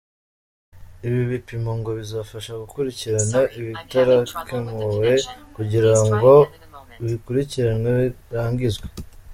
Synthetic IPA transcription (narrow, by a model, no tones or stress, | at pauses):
iβiβipimo̞ŋɡo̞βizaːfaʃaɡukuɾiciɾanaʔiβitaɾakeŋoɾe̞kuɟiɾaŋɡo̞ | βikuɾiciɾanweβiɾaːɲɡizɡwe